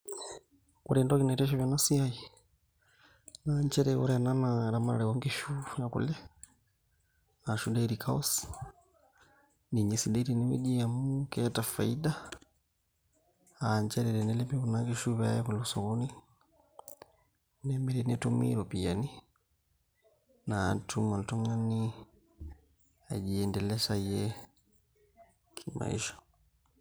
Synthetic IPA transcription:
kuɾɛndɔakinatɛʃ̬ɔβjanasiai | naɲt͡ʃɛɾɛwɔɾɛananaɾamaɾa̰ɾɛwaŋɡiʃujakṵlɛ | aʃudaiɾikʰaɔs | niɲisidɛɾinimḭd͡ʒiamukɛatafaida | aɲt͡ʃaɾɛɾɛndɛlɛpikunakiʃuβɛa̰jɛkulɔsɔɣuni | nɛmbɛɾɛniatumḭɾɔpijani | natumaltɔŋani | aʄiɛndɛlɛʃajɛ | kʰima̰ḭʃɔ̥

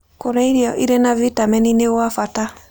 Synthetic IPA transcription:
kɔɾaiɾiɔʔiɾɛnavitamɛninɛwafata

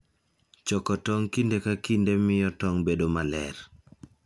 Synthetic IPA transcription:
t͡ʃɔkɔtɔŋkindekakindemɪjɔtɔŋbedomalɛ̰ɾ

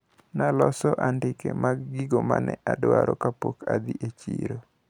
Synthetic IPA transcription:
nalɔsɔʔandɪkemaɡːiɡomanɛʔadwaɾɔkapokad̪iʔet͡ʃiɾo

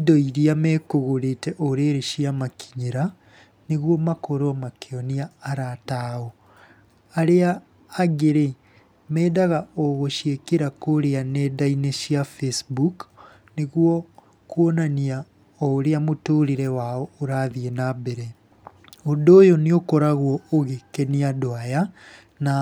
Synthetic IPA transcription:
idɔiɾiamɛkoɣoɾetɛʔoɾeɾeʃiamakʰiɲeɾa | neɣwɔmakoɾomakeɔniaːɾataɔ | aɾeaː | ɡeɾe | mɛːdaɣaɔɣoʃiekeɾakoɾeanɛdaineʃiafesbuk | neɣwɔ | kwɔnania | ɔoɾeamotoɾiɾɛwaɔoɾaðiɛnabɛɾɛ | ondoːjoneokɔɾaɣwɔoɣekeniadoaja | na

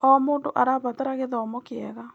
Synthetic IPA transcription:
ɔmoːndoʔaɾaːβat̪eɾaɣeðɔmɔkeɛɣa

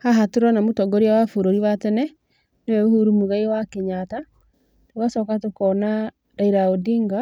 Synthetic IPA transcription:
haɦatoɾɔnamotɔɡɔɾiawafoɾoɾiwatɛnɛ | newɛohuɾumuɣaiwakeɲata | tokasɔkatokɔna | ɾaiɾaodiŋɡa

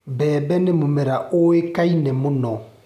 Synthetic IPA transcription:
bɛːbɛnemumɛɾaʔoekainɛmunɔ

